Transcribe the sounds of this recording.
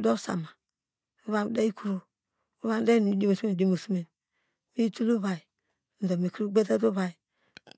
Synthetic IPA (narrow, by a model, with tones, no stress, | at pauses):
do˦sa̰˨ma˨ | u˦βa˦da˦i˦ku˦ɾu˦ | u˦βa˦da˦n˨˦˨di˦mo˨sme˨di˦˨mu˨su˦me˨n | mi˦tu˦lu˦ba˨i˨ | n̩˨do˨mi˨ku˦ɾu˦ɡ͡be˦ta˦du˦ba˨i˨